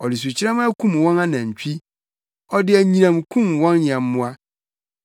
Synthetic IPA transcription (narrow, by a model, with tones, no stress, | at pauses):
ɔ˨li˨s̬u˨t͡ɕʰɪ˦ɾɛ˦m˦a˦kʰũ˦m˨wɔ̃˦nã˦nã˨ɲ̩˨t͡ɕᶣi˦ | ɔ˦dɪ˦æ˨ɲĩ˦nã˨mkʰũ˦mwɔ̃˦nːɪ̃˨ɛ̃˨m̩˦mʊ̃˦a˦